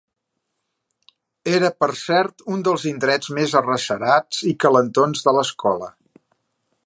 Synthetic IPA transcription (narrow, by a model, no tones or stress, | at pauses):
eɾəpəɾsɛɾt̪und̪əlˠzind̪ɾɛd͡zmezərəsəɾad͡zikələnt̪onzðələskɔlə̰